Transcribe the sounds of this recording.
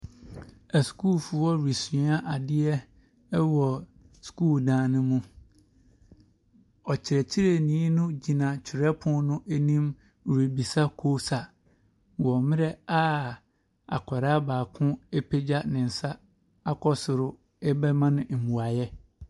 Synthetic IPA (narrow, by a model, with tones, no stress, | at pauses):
æ˨sku˦˨lfu˨wɔ˦ɾi˨sĩ˨˦a˦ʔa˨dɪ˦ɛ˦ | wɔ˨ | skuː˦˨ldãː˨˦nʊ̃˦mũ˦ | ɔ˨t͡ɕʰɪ˨ɾɛ˨t͡ɕʰi˦ɾe˨nĩ˨˦nʊ̃˦d͡ʑi˨nã˨t͡ɕʰɪ˨ɾɛ˦pʰʊ̃˦nʊ̃˦ʔæ˦nĩ˦m˨ | ɾi˨bi˨sa˦kʰo˦sa˨ | wɔ˨mɪ̃˦ɾɛ˦a˦ | a̰˨kʰɔ˨ɾa˦baː˨kʰʊ̃˦e˦pʰe˦d͡ʑa˦nɪ̃˨n̩˨sa˦ | a˦kʰɔ˦sʊ˨ɾʊ˦ | ɛ˦bɛ˦mã˦nɪ̃˨m̩˨bu˨a˨jɛ˦